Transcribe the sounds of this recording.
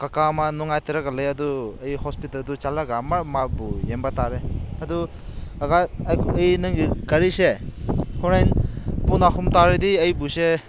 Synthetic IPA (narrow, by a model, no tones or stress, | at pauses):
kakamanuŋajteɾaɡalɐjaduɐjhɔspitaldut͡ʃalaɡamamabujembataɾeɐdu | aɡajjɐjnɯŋɡikɐɾisekʰuɾajnpunakʰumtaɾediɐjbuse